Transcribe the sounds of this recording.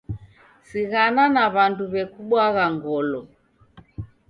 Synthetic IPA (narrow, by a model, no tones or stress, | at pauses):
siɣananaβanduβɛkuɓwaɣaŋɡɔlɔ